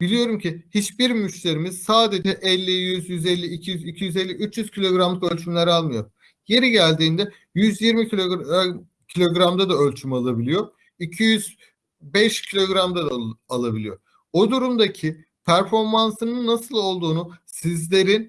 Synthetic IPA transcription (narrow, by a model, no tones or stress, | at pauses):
b̥ilʲijo̞ɾumcʰihit͡ʃbiɾmmːyt͡ʃlʲe̞ɾimiz̥saːd̪e̞d͡ʒɛʔɛlʲːijyzjyzɛlʲːiːcʰijyzicʰijyzɛlʲːiyt͡ʃjyz̥cʰilʲo̞ɡɾamlˠɯkø̞lʲt͡ʃʰymlʲæɾalˠmɯjo̞ɾ | je̞ɾiɟælʲd̪iːnd̪ɛ | jyzjiɾmi | cʰilʲo̞ɡɾamd̪ad̪aø̞lʲt͡ʃʰymalˠabilʲijo̞ | icʰijyz | bɛʃcʰilʲo̞ɡɾamd̪ad̪alˠabilʲijo̞̰ | od̪uɾumd̪acʰi | pʰæɾfo̞ɾmansɯnɯnːasɯlˠo̞lˠd̪uːnusizlʲe̞ɾin